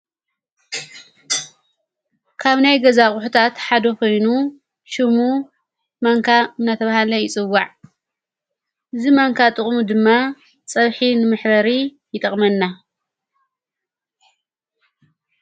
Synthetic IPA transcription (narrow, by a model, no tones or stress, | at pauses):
kʰaβnajɡɐzaχʼʊħut̪ʰat̪ħad̪ɐko̞jnu | ʃɨmu | mɐŋkʰaɨnːat̪ʰɐβahalɐjɪt͡sʼɨwːaʕ | ʔɨzimɐŋkʰat̪ʼɨχʼmud̪ɨmːa | t͡sʼɐβħinɨmɨħbɐɾi | jɪt̪ʼɐχʼmɐnːa